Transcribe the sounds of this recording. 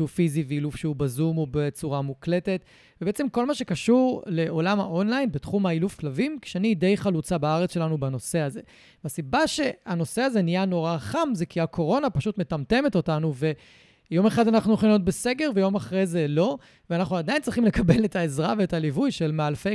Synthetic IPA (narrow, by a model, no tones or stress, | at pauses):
ʃufiziveilufʃeubazumobet͡suʁamukle̞te̞t | vebeet͡se̞mko̞lmaʃe̞kaʃuʁle̞o̞lamha̰ʔo̞nlajnbetχumailufklavimki̥ʃeanide̞jχalut͡sabaaʁet͡sʃe̞lanubano̞se̞aze̞ | veasibaʃe̞ano̞se̞aze̞nijano̞ʁaχamze̞kiakʰo̞ʁo̞napaʃutme̞tamte̞me̞to̞tanuve̞ | jo̞me̞χadanaχnunoχnot̚bese̞ɡe̞ʁvejo̞maχʁejzelo̞ | veanaχnuad̪ajint͡sʁiχimlekabe̞letʰaezʁaveetalivujʃelmeaːlfe